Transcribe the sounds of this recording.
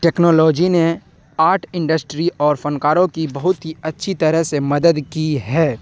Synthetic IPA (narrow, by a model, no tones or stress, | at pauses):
ʈɛːknɔːlɔːd͡ʒine | aːɾʈʰɪ̃ɳɖəsʈɾiʔɔːɾfɐnkaːɾõkibɐɦʊt̪ɦiɐtːʃʰit̪ɐɾəɦsemɐd̪əd̪kiɦɛː